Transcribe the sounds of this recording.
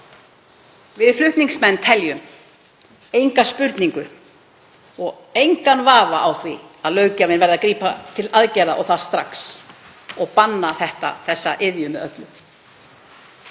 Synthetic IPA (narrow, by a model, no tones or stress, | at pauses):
vɪðflʏht̪niŋsmɛnːt̪ʰɛljʏm | ejŋkaspʏɾt̪niŋkʏ | ɔɣ | ejŋkanvaːvaʔawθviaðlœːɥcavɪnvɛɾðakɾiːpat̪ʰɪlaðcɛjðaʔɔɣθast̪ɾa̰ks | ɔɣpanːaθɛht̪a̰θɛsːaʔɪðjʏmɪœt̪lʏ